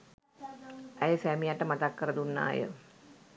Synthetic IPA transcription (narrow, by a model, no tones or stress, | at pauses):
æjəsæːmijaʈːəmat̪akːəɾəd̪unːa̰ːjə̰